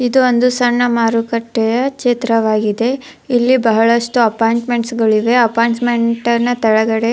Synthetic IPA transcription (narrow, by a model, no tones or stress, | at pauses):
id̪uond̪usɐɳːɐmaːɾukɐʈːɛjɐket̪ɾɐʋaːɡid̪e̞ | ilːibɐɦɐɭɐʂʈuɐpaːjɳʈme̞ɳʈsɡɐɭiʋe̞ɐpaːɳsmeɳʈɐnːɐt̪ɐɭɐɡɐɽe̞